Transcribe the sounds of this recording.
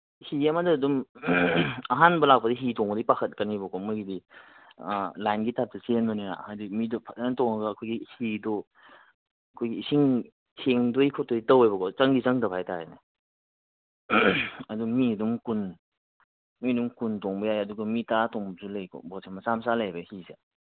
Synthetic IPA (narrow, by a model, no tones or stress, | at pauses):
hiɐmadɐːdum | ɐɦanbɐlak̚pɐdiɦitɔŋbɐdipakʰɐt̚kɐnibɐkʰɔmɔɡidi | lajnɡitap̚tɐsenmɔniɾa̰hajdimidɔpʰantɔŋaɡɐːkʰojɡihidɔ | ɐkʰojɡisiŋ | sʰeŋdojkʰɔtojtɐwejbɐkʰɔt͡ʃɐŋɡit͡ʃɐŋdɐpʰajtajna | ɐdumiɐdumkun | midumkuntɔŋbɐjajɐduɡɐmitatɔŋbɐzulɐjkʰɔ̰bɔsʰemɐsamsalajbɐhise